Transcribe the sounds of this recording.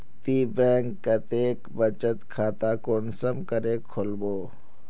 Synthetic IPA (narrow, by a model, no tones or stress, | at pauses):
t̪iːbɛ̃ːŋkːət̪eːkbət͡ʃət̪kʰaːt̪aːkoːnsəmkəɾeːkʰolboː